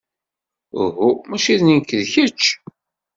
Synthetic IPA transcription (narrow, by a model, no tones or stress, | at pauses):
ʊ̰ɦumæʃiðninkːəðçət͡ʃː